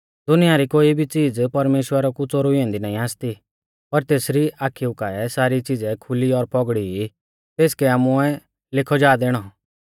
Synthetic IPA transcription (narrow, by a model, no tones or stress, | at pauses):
d̪ʊnɪjaɾikoːibʱit͡siːd͡zpɐɾmeːʃwəɾɔkʊt͡sɔɾʊiɛ̃nd̪inaːĩaːst̪i | pɐɾt̪eːsɾiaːkʰiʊkaɛsaːɾit͡sid͡zɛkʰʊliɔɾpɔɡɽii | t̪eːskɛaːmʊɛ | lɪkʰɔd͡ʒaːd̪eːɽ̃ɔ